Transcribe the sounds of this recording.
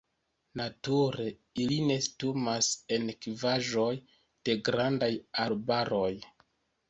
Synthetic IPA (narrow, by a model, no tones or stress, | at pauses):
natuɾe̞ | iline̞stumase̞nkivaʒo̞j | d̥e̞ɡɾandajaɾbaɾo̞j